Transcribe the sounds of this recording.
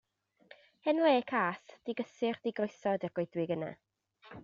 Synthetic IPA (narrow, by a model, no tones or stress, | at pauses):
hɛnleːkʰaːsd̥iɡəsɨrd̥ɪɡojsɔdɛrɡ̥wejdwɪɡəna̰